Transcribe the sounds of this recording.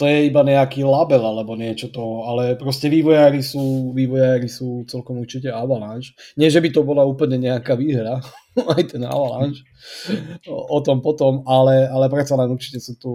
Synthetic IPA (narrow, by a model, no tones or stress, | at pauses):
t̪ɔjɛibaɲɛakiːlabɛlalɛbɔɲɪɛt͡ʃɔt̪ɔalɛpɾɔscɛʋiːʋɔjaːɾisuːʋiːʋɔjaɾisuːt͡sɛlkɔmuɾt͡ʃicɛabalanʃɲɪɛʒɛbit̪ɔbɔlauːpl̩ɲɛɲɛakaʋiːɦɾaajt̪ɛna̰bala̰nt͡ʃ | ɔt̪ɔmpɔt̪ɔmalɛalɛpɾɛt̪salɛnurt͡ʃi̥cɛsuːt̪u